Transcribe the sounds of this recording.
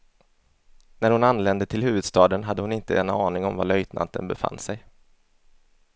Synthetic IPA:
næɾhʊnanːlɛnd̪ət̪ʰɪlhʉ̟ːvɵd̪st̪ɑːd̪ənɦad̪ːəhʊnɪnt̪əɛnːaɑːnɪŋɔmvalœjt̪nʔa̰nt̪ə̰nbɛfa̰nːsɛj

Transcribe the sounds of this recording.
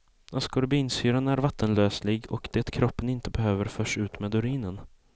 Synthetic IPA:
askɔɾbiːnsyːɾanæɾvat̪ʰːənløːslɪɡɔkd̪̥ɛːt̪kʰɾɔpːənɪnt̪əbɛɦøːvəɾfœːʂʉ̟ːt̪mɛːd̪ɵɾiːnən

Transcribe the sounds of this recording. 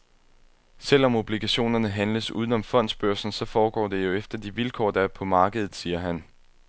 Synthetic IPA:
sel̰ɒ̽mo̝b̥liɡ̥æɕo̝̰ːnɐnəɦænləsṵːðˠn̩ɒ̽mfɒ̽n̰d̥sb̥øɐ̰sn̩sɒ̽fɒːɡ̥ɒ̰ːd̥e̝jo̝efd̥ɐd̥iʋilkʰɒ̰ːd̥ɑ̈æɐpʰɒ̽mɑ̈ːɡ̥əð̞ˠð̩ˠsiːɐɦæn

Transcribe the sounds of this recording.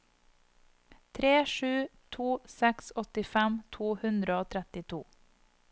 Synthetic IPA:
t̪ʰɾeːʃʉːt̪ʰuːsɛksɔt̪ɪfɛmt̪ʰuːhʉnd̪ɾəoːt̪ʰɾɛt̪ɪt̪ʰuː

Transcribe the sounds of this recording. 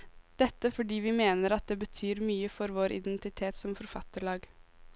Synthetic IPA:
d̪̥ɛt̪ːəfɔɖiːʋɪmeːnəɾɑt̪̚d̪eːbət̪ʰyːɾmyːəfɔɾʋoːɾʔɪ̰d̪ɛnt̪ɪt̪ʰeːt̪sɔmfɔɾfɑt̪ːəɭɑːɡ

